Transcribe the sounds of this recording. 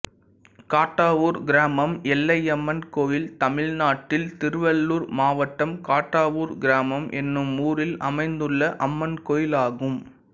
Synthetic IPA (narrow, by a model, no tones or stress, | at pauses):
kaːʈːaːʋuːɾɡɪɾaːmɐmɛlːɐɪɐmːɐnkoːjɪlt̪ɐmɪɭnaːʈːɪlt̪ɪɾʋɐɭːuːɾmaːʋɐʈːɐmkaːʈːaːʋuːɾɡɪɾaːmɐmʔɛnːɯmuːɾɪlɐmɐɪnd̪ɯɭːɐʔɐmːɐnkoːjɪlaːɣɯm